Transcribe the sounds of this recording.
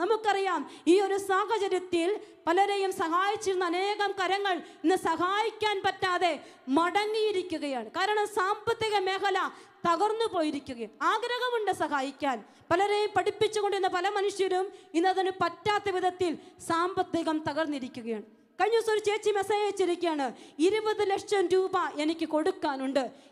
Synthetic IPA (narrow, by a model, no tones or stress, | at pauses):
nɐmukːɨɐrijaːmiːo̞ɾusaːɦɐt͡ɕɐɾjɐt̪ːil | pɐlɐɾejumsɐɦaːjit͡ɕːiɾunːɐne̞ːɣɐmkɐɾɐŋːɐɭinːɨsɐɦaːjikʲːaːnpɐtːaːðe̞ | mɐɽɐŋːijiɾikʲːuɣɐjaːɳɨkaːɾɐɳɐmsaːmbɐt̪ːiɣɐmeːkɐlɐ | t̪ɐɣɐrnːupo̞ːjiɾikʲːuɣɐjaaːɡɾɐɣɐmuɳɖɨsɐɦaːjikʲːaːn | pɐlɐɾejumpɐɽipːit͡ɕːuɣo̞ɳɖiunːɐpɐlɐmɐnuʂjɐɾuminːɐðinɨpɐtːaːt̪ːɐʋiðɐt̪ːilsaːmbɐt̪ːiɣɐmt̪ɐɣɐrnːiɾikʲːuɣɐjaːɳɨ | kɐɻiɲːɐsoɾut͡ɕe̞ːt͡ɕːimesɐjeːt͡ɕːiɾikʲːujaːɳɨiɾubɐðɨlekʂɐmɾuːbɐʔe̞nikʲːɨko̞ɽukːaːnuɳɖɨ